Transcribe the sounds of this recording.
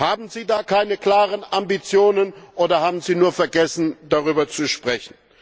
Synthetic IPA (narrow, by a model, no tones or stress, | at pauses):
haːbm̩ziːdaːkʰaɪnəkl̥aːʁənʔambit͡sjoːnənʔoːdɐhaːbm̩ziːnuːɐfɛɐɡɛsn̩daʁyːbɐt͡suʃpʁ̥ɛçn̩